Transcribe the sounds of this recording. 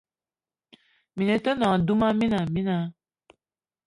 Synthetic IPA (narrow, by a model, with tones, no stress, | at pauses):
mĩ˨nɛ̃˨tɔ˦nã˨du˦mã˦mĩ˦nã˨mĩ˦nã˦